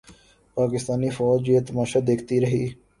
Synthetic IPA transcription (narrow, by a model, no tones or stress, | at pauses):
paːkɪst̪aːnifɔːd͡ʒjeːt̪ɐmaːʃad̪eːkʰt̪iɾɐɦiː